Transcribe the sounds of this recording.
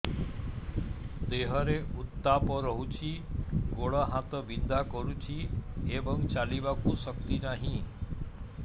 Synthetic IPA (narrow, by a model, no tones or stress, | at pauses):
d̪eɦəɾeut̪ːapɔɾəɦut͡ʃʰiɡoɭaɦãt̪ɔbind̪akɔɾut͡ʃʰiebəŋt͡ʃalibakusəkt̪inaɦĩ